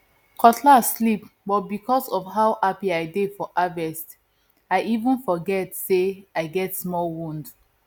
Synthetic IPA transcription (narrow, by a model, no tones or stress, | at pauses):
kʰɔtʰlaslipbɔt̚bikɔsɔvɦaʊhapiaɪdefɔʔavɛst | aɪʔivə̃nfɔɡɛtseaɪɡɛtsmɔlwũnd